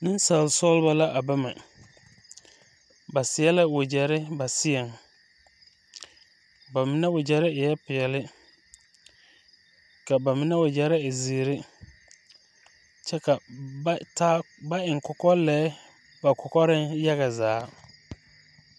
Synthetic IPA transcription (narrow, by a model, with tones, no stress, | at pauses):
nɪ˦nsa˨lsɔ˦lba˦la˦ʔa˨ba˦ma˨ | ba˨sɪ˨ɛ˦lɪ˦wʊ˨d͡ʒɛ˨ɾɪ˦ba˨sɪ˦ɛ˨ŋ | ba˨mɪ˨nɛ˦wʊ˨d͡ʒɛ˨ɾɪ˦ɪ˨jɛ˦pɪ˨ɛ˨lɪ˦ | ka˨ba˨mɪ˨˦nɛ˦wʊ˨d͡ʒɛ˨ɾɪ˦ɪ˨ziː˨ɾɪ˦ | t͡ʃɛ˦ka˨˦ | taː˦ | ba˦ɪ˨ŋkʊ˨kɔ˦lɛː˦ | ba˨kʊ˨kɔ˦ɾɪ˦nja˦ɣa˨zaː˨˦